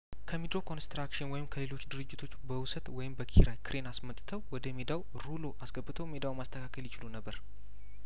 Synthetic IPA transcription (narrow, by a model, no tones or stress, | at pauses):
kʰəmid̪ɾo̞kʰo̞nst̪ɾakʃɪnwɔjɪmkʰəle̞lo̞t͡ʃːd̪ɨɾɨd͡ʒːɪt̪ʰo̞t͡ʃːbəwʊsət̪wɔjɪmbəkʰḭɾajkʰɨɾʔe̞nasmət̪ʼt̪ʰəwwɔd̪əmed̪aw | ɾulo̞ʔasɡəbːɨt̪ʰəwme̞d̪awmast̪ʰəkʰakʰəljɪt͡ʃɪlunəbːəɾ